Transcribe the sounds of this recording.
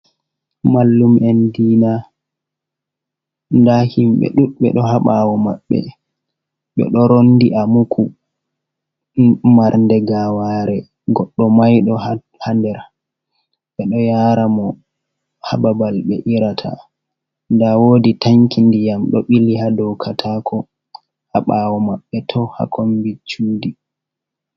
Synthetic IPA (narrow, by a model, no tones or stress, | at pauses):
malːumɛndiːna | ndahimɓɛ̰ɗuɗɓɛ̰ɗɔhaɓawɔma̰ɓːɛ̰ | ɓɛ̰ɗɔɾonːdiʔamukʰu | maɾndɛɡawaɾɛ | ɡɔɗːɔmajɗɔ | handɛɾ | ɓɛɗɔjaːɾamɔ | ha̰babalɓɛ̰ʔiɾatʰa̰ | ndawoːditaŋkindijamɗɔɓilihadɔwkʰatʰakʰɔ | haɓawɔmaɓːɛtʰɔha̰kʰombit͡ʃːuːdi